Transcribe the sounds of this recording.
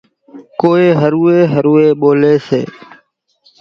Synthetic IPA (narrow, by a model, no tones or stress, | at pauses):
koːeːɦəɾuːeːɦəɾuːeːɓoːleːsḛː